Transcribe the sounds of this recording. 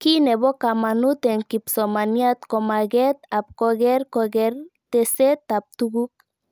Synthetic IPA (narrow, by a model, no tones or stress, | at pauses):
kinɛbɔkamanut̪ɛŋkipsɔmaniat̪kɔmaɡɛt̪ap̚kɔɡɛɾkɔɡɛɾt̪esɛt̪ap̚t̪uɡuk̚